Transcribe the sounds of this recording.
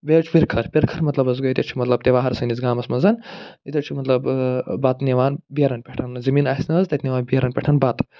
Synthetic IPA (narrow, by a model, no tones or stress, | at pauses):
beːt͡ʃʰpʲiɾkʰɐɾpʲiɾkʰɐɾmɐt̪lɐbɐz̬ɡoit̪ʲɐt͡ʃʰi̥mɐt̪lɐb̚t̪eʋaːɦɐɾsɐnit͡sɡaːmɐsmɐnzɐnit̪ʲet͡ʃʰimɐt̪lɐbbɐt̪neʋaːnbijɐɾɐnpʲeʈʰɐnzɐmiːnɐsnɐzt̪ɐt̪ʰʲniʋaːnbiɐɾɐnpʲeʈʰɐnbɐt̪